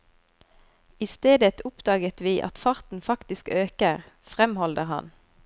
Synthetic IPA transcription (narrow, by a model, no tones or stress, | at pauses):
ɪst̪eːd̪ət̪ʰʊpd̪ɑːɡət̪ʋiːʔɑ̰t̪fɑʁt̪n̩fɑkt̪ɪskøːkəʁ | fʁɛmhɔld̪əʁhɑ̰n